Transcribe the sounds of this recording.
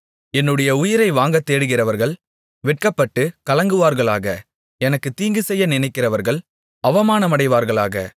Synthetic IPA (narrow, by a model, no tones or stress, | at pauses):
ɛnːɯɽɐjɐʊjɪɾɐɪʋaːŋɡɐt̪ːeːɽɯɣɪrɐʋɐɾɣɐɭ | ʋɪʈ̚kɐpːɐʈːɯkɐlɐŋɡɯʋaːɾɣɐɭaːɣɐ | ɛnɐkːɯt̪iːŋɡɯsɛjːɐnɪnɐɪkːɪrɐʋɐɾɣɐɭ | ɐʋɐmaːnɐmɐɽɐɪʋaːɾɣɐɭa̰ːɣɐ̰